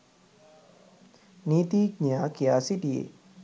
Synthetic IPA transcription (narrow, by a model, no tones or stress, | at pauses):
niːt̪iɡɲjakijaːsiɖiḛ